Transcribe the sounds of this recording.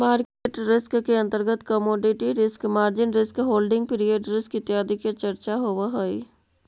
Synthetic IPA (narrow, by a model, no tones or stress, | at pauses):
maːɾkeːʈɾɪskkeɐ̃nt̪əɾɡət̪kəmoːɖɪʈiɾɪskmaːɾd͡ʒɪnɾɪskɦoːlɖɪ̃ŋɡ̚pɪɾijeːʈɾɪskɪt̪jaːd̪iket͡ʃəɾt͡ʃaɦoʋaɦoḭ